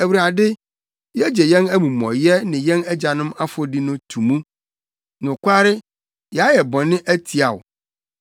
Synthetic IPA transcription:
æ˨wu˨ɾa˨dɪ˦ | jɛ˦d͡ʑɛ˨jɛ̃˦næ˦mũ˨mɔ̰̃˨jɛ˦nɪ̃˨jɛ̃˦nɛ˦d͡ʑa˨nʊ̃˦ma˦fɔ˦di˦nʊ̃˦tʰũ˨mũ˦ | nʊ̃˨kʷʰa˦ɾɪ˦ | jɛ˨a˦jɛ˨bɔ̃˨nɪ̃˦ʔæ˦tʰi˨a˨wʊ̰˨

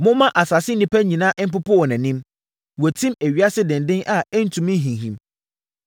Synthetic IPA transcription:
mʊ̃˦mã˦ʔa˨sa˨sɪ˦nɪ̃˦pʰæ˦ɲĩ˨nã˦ʔm̩˦pʊ˦pʰʊ˦wɔ˨næ̃˨nĩ˦m | wɔ˨tʰĩ˦mæ˨ɥi˨˦a˦sɪ˦dɪ̃˨n˨dɪ̃˦nʔa˨ɛ˦n̩˦tʰũ˨mɪ̃˦ɦĩ˨ɦĩ˨m

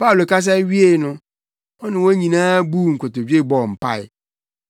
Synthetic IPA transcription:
pa˦u˨lo˨kʰa˦s̬ɛ˦ɥi˦e˨nʊ̃˦ | ɔ˦nɪ̃˨wo˦ɲĩ˨nãː˦bu˦˨ŋ̩˨kʰo˨to˨d͡ʑi˦e˦˨bɔ˨m̩˨pa̰˦ɪ̰˨

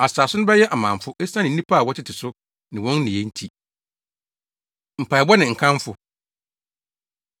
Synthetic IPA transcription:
a˨saː˨sʊ˦nʊ̃˦bɛ˦jɛ˦ʔa˨mãː˨m˨fʊ˦ʔe˦ssã˦nɪ̃˨n̩˦nĩ˦pʰa˦˨wɔ˦tʰɪ˦tʰɪ˨sʊ˦ | nɪ̃˨wɔ̃˦nː˦ĩ˨je˦n̩˦tʰi˦ | m̩˨pʰa˨bɔ˦nɪ̃˨ŋ̩˨kʰã˦m˦fʊ˦

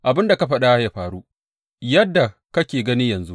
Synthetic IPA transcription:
ʔa˨bɪ˦nda˨ka˦ɸɐ˦ɗa˦jaː˦ɸaː˨ɾu˦ | jɐ˦dːa˨ | kɐ˦kʲeː˨ɡɐ˦ni˦jɐ˨nzu˦

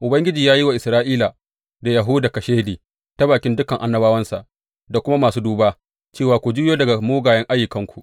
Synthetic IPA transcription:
ʔʊ˨bɐ˦ŋɡʲɪ˦d͡ʒiː˨jaː˦ji˦wa˨ʔɪ˨sɾaː˦ʔiː˦la˨ | da˨ja˨ɦu˦da˨kɐ˨ʃeː˦liː˨ | ta˦baː˨kʲɪ˦ndʊ˦kɐ˨ŋʔa˦nːɐ˦baː˦wɐ˦nsa˨ʔ | da˨kʷʊ˦ma˦maː˨suː˦duː˦baː˦ | t͡ʃeː˦˨waː˨kʷu˨d͡ʒi˦joː˦dɐ˨ɡa˨muː˦ɡaː˨jɛ˦ŋʔa˦jːɪ˨kɐ˦ŋkʷu˨ʔ

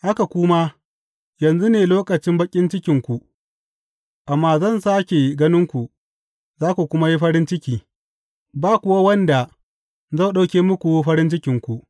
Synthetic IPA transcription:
ha˦ka˨kʷʊ˦ma˦ | jɐ˨nzu˦neː˨loː˦kʼɐ˨t͡ʃɪ˦mbɐ˦kʲʼɪ˦nt͡ʃɪ˦kʲɪ˨ŋkʷu˨ | ʔa˨mːaː˦zɐ˦˨nsaː˦kʲe˨ɡɐ˦nɪ˦ŋkʷu˨ | zaː˦kʷu˨kʷʊ˦ma˦ji˦ɸɐ˦ɾɪ˦nt͡ʃɪ˦kʲiː˨ | baː˦˨kʷʊ˨˦wa˦wɐ˦nda˨ | zɐ˦˨ɗa˦˨kʲeː˦mʊ˦kʷu˨˦ɸɐ˦ɾɪ˦nt͡ʃɪ˦kʲɪ˨ŋkʷu˨ʔ

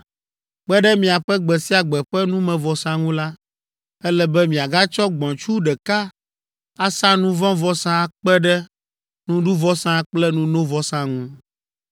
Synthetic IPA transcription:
k͡pɛ˦ɖɛ˦mĩ˨a˨ɸɛ˦ɡ͡bɛ˨si˦a˨ɡ͡bɛ˨ɸɛ˦nũ˦mɛ̃˨vɔ˨sã˦ŋũ˦la˦ | ɛ˦lɛ˦bɛ˦mĩ˨a˨ɡa˦t͡ʃɔ˦ɡ͡bɔ̃˨t͡ʃu˦ɖɛ˨ka˦ | a˦sã˦nũ˦vɔ̃˦vɔ˦sã˦k͡pɛ˦ɖɛ˦ | nũ˦ɖu˦vɔ˦sã˦k͡plɛ˦nũ˦nõ˦vɔ˦sã˦ŋũ˦

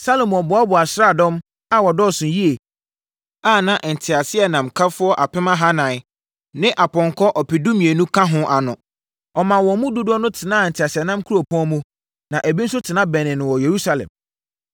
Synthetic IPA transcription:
sa˦lo˨mɔ̃˨bʊ˨a˦bʊ˨a˨sɾa˦˨dɔ̃˦m | a˨wɔ˨dɔ˦˨sʊ̃˨ji˦e˨ | aː˦˨nã˨ʔn̩˨tʰɪ˨a˨sɪ˦ɛ˨nã˨mkʰa˦fʊ˦ɔ˦ʔa˨pɪ˦mã˦ɦa˦nã˨ɪ˦ | nɪ̃˦ʔa˨pɔ̃˨ŋkʰɔ˦ʔɔ˨pi˨dũ˦mĩ˨e˨nũ˦kʰã˦ɦʊ̃˦ʔa˨nʊ̃˨ | ɔ˨mã˨wɔ̃˨mʊ̃˦du˦dʊ˦ɔ˦nʊ̃˦tʰɪ˨nãː˦˨n̩˨tʰɪ˨a˨sɪ˨ɛ˨nã˦mkʰu˦o˨pʰɔ̃˦mũ˦ | nã˨ʔæ˨bi˦n̩˦s̬ʊ˦tʰɪ˨nã˦bɛ˨nɪ̃˨nʊ̃˨wɔ˨je˨ɾu˦sa˨lɛ̰̃˨m

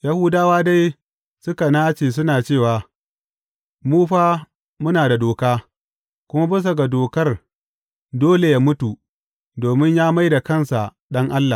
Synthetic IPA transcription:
ja˦hʊ˦daː˦waː˦da˦j | sʊ˦ka˨naː˦t͡ʃeː˨s̬ʊ˦naː˨t͡ʃeː˦˨waː˨ | muː˦ɸaː˦ | mʊ˦naː˨da˨doː˨kaː˦ | kʷʊ˦ma˦bɐ˦s̬a˨ɡa˨doː˨kɐ˦r | doː˦le˨jaː˦mʊ˦tu˨ | doː˨mɪ˦ɲjaː˦ma˦jda˨kɐ˦˨nsa˨ | ɗɐ˦ŋʔa˦lːa˨

